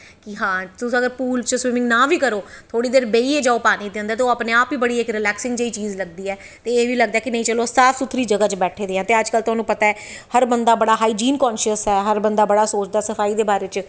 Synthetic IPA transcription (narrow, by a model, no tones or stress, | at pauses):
kɪɦãːt̪ʊsũːəɡəɾpuːlt͡ʃəswɪmɪ̃ŋɡnãːʋiːkəɾoːt̪ʰoːɽiːd̪eːɾbeːiːeːd͡ʒaːopaːniːd̪ẽːnd̪aːt̪eoːəpneːaːpʋiːbəɽiːɪkɾɪlɛːksɪ̃ŋɡd͡ʒeːiːt͡ʃiːzləɡ̚d̪iːɛː | t̪eːeːʋiːləɡ̚d̪aːkɪnəĩːt͡ʃəlosaːfʰsʊt̪ʰːɾiːd͡ʒəɡaːt͡ʃbɛːʈʰeːd̪eːɦãːt̪eːəd͡ʒkəlt̪ʊɦaːnũːpət̪aːɛːhəɾbənd̪aːbəɽaːɦaːiːd͡ʒiːnkɔːnʃəsɦɛːɦəɾbənd̪aːbəɽaːsoːt͡ʃd̪aːsəfʰaːiːd̪eːbaːɾeːt͡ʃ